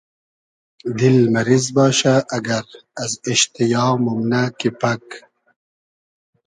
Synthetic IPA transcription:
d̪ilmɐɾizbɑːʃaʔːɡɐɾɐziʃt̪ijɑːmumnakipɐk

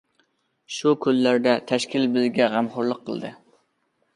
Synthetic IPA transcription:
ʃukʰʲølːæɾd̪ɛt̪ʰɛʃkʲɪlbɪzɡʲɛʁæmχʊɾlˠəqʰːə̰lˠd̪ɨ̰

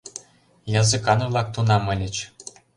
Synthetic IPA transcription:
jɑzɨ̆kɑnɤlˠɑk̚t̪unɑmɤ̆lʲɘ̆t͡ɕ

